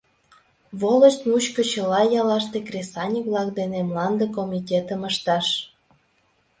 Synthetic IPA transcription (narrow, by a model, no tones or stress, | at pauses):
βoləʃt̪mut͡ɕkot͡ɕəlɑjɑlɑʃt̪ekrʲesɑnʲikβlɑkd̪enemlɑnd̪ekomʲitʲet̪əməʃt̪ɑʃ